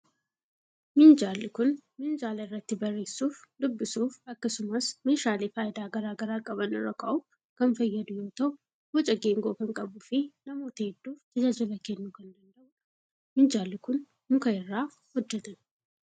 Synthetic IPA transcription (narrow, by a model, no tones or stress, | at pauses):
mɪnd͡ʒaːlːɪkʊnmɪnd͡ʒaːlɐɪrːɐt̪ːɪbɐrːe̞ːsuːfd̪ʊbːɪsuːfɐkːɐsʊmɐsmeːʃaːleːfaːjɪd̪aːɡɐɾaːɡɐɾaːkʼɐbɐnɪ̰ɾɔkʼɐʔʊf | kɐnfɐjːɐd̪ʊjoːt̪ɐw | hɔt͡ʃʼɐɡeːŋɡoːkɐŋkʼɐbʊfɪnɐmoːt̪ɐɛd̪ːuːfd͡ʒ̪ɐd͡ʒaːd͡ʒɪlɐkenːukɐnd̪ɐnd̪ɐʔʊ | mɪnd͡ʒaːlːɪkʊn | mʊkɐɪrːaː | hɔd͡ʒːɐt̪ɐn